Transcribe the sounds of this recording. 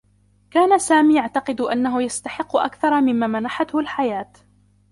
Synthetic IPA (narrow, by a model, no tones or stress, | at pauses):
kaːnasaːmiːjaʕt̪ɑqɨd̪ʔanːaɦʊjast̪aħɪqːʊʔa̰kθɑɾˤɑmɪmːaːmanaħat̪hʊlħajaːt̪